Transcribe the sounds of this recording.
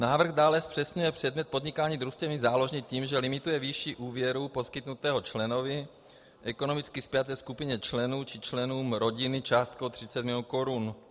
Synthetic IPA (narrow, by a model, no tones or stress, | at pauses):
naːvr̩ɣd̪aːlɛspr̥ɛsɲujɛpr̝̥ɛd̪mɲɛt̪̚pod̪ɲɪkaːɲiːd̪ɾust̪ɛmɪzaːlo̞ʒɲɛt̪iːmʒɛlɪmɪt̪ujɛviʃiːʔuːvjɛɾuposkɪt̪nut̪ɛːɦot͡ʃlɛnovɪ | ʔɛko̞no̞mɪt͡skɪspjat̪ɛskupɪɲɛt͡ʃlɛnuːt͡ʃɪt͡ʃlɛnuːmɾo̞ɟɪnɪt͡ʃaːst̪̚kowt̪r̝̥ɪt͡sɛt̪mɪlɪonkoɾun